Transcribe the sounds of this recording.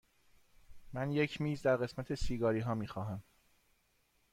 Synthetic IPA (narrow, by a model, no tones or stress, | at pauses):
mænje̞cʰmiːzd̪æɾɣe̞smæt̪ʰesiːɡɒːɾiːɦɒːmiːxɒːɦæm